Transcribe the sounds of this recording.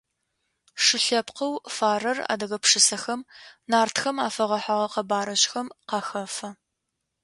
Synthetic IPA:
ʂɨɬɐpqɐwfaːrɐra̰ːdɐɣɐpʂɨsɐxɐmnaːrtxɐmaːfɐʁɐħaʁɐqɐbaːɾɐɕʼxɐmqɑxɐfɐ

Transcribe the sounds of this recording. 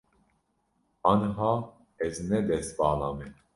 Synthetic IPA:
ɑnɦɑ | ɛznɛd̪ɛsbɑːlɑmɛ

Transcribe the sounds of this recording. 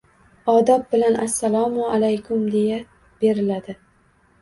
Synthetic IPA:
ɒd̪ɒp̚bɪlanasːalˠɒmʊalajkʰʊmd̪e̞ja | b̥e̞ɾɪlad̪ɪ

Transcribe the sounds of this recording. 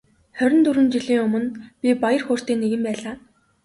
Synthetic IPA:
χœɾʲɪ̆nt̪uɾwɘ̆nt͡ɕiɮiːŋɵmɵ̆npʲipajə̆rxʊːr̥t̪eːnːeɣɘ̆mpæːɮaː

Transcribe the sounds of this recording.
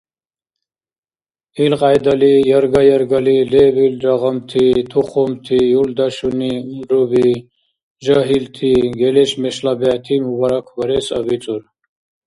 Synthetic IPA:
ilqɑjd̪ɐlijɐɾɡɐjɐɾɡɐlilebilɾɐʁɐmt̪ʰit̪ʰuχomt̪ʰijuld̪ɐɕuniumɾubi | ʒaɦilt̪ʰiɡeleɕmeɕlabɛːt̪ʰimubɐɾɐkʰwɐɾesɐ̰bit͡sʼuɾ

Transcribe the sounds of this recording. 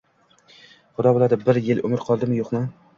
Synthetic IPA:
χʊd̪ɒbolad̪ɪbɪɾjɪlɵ̰mɪɾqʰɒlˠd̪ɪmɪjoχnɪ

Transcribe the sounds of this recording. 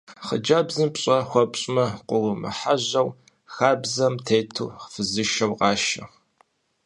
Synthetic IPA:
χə̰d͡ʒabzɨmpɕʼɐxʷɔpɕʼmɐqʷʊʁʷʊmɨ̰ħaʑɐw | xaːbzɐmtʰeːtʰṵχfɨzɨʃɐwqɑːʃɐ

